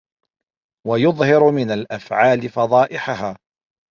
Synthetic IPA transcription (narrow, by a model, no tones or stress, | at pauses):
wajʊðˤhɑɾmɪnalʔafʕaːlɪfɑðˤɑːʔɪħaɦaː